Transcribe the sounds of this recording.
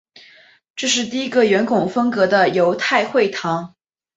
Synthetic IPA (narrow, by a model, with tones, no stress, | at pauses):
ʈ͡ʂɤ˥˧ʂ̬ɻ̩˥˧t̪̬i˥˩i˧˥ɡə˨ɥɛ˧˥nkʊ˨˩ŋfɤ˥ŋkɤ˧˥d̪ə˧jo˧˥ʊt̪ʰa˥˧ɪxwe˥˩ɪt̪ʰɑ˧˥ŋ